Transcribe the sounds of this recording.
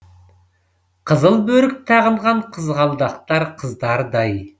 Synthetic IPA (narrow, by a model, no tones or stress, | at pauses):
qʰəzəlˠbɵɾɪk̚t̪ʰɑʁəɴʁɑɴqʰəzʁɑlˠd̪ɑq̚t̪ɑɾqʰəzd̪ɑɾd̪ɑj